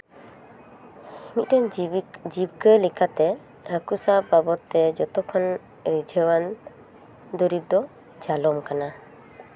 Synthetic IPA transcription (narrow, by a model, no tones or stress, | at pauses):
imit̪̚ˀdɛnd͡ʒib̚kəlikat̪ɛ | akusababɔt̪ːɛd͡ʒɔt̪ɔkʰɔn | ɾid͡ʒʱəwan | d̪uɾib̚d̪ɔ | d͡ʒalɔmkana